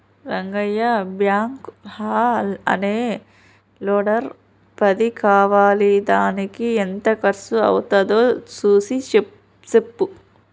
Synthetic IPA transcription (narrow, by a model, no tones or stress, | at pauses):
ɾɐŋɡɐjːɐbjaːŋkhaːlɐ̰neː | loːɽɐɾ | pɐd̪ikaːʋaːlid̪aːnikient̪ɐkɐɾsuɐ̰wt̪ɐd̪oːt͡ʃuːsit͡ʃe | t͡ʃepːu